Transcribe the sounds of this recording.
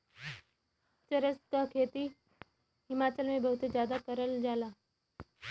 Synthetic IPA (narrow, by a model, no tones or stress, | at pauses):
t͡ʃəɾəskakʰet̪i | ɦimat͡ɕəlmebəɦut̪əd͡ʑjad̪akəɾəld͡ʒala